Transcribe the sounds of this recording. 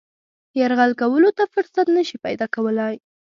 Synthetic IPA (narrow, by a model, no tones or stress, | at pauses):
jaɾɣalkawəlot̪afʊɾsat̪nəʃipajd̪ɑkawəlaj